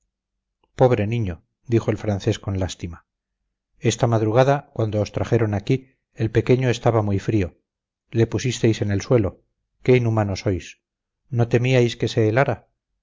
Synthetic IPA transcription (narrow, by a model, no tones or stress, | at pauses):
po̞βɾe̞niɲo | d̪ixo̞e̞lfɾan̟θe̞sko̞nlast̪ima | e̞st̪amaðɾuɣ̞aðakwand̪oːst̪ɾaχe̞ɾo̞naki | elpe̞keɲo̞e̞st̪aβamujfɾio̞ | le̞pusist̪ejse̞ne̞lswe̞lo̞ | ke̞inumanoso̞js | no̞t̪e̞miajske̞se̞ːlaɾa